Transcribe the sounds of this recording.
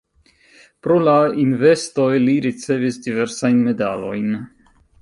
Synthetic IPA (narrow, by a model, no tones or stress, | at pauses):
pɾo̞lainve̞sto̞jliɾit͡se̞visdive̞ɾsajnme̞dalo̞̰jn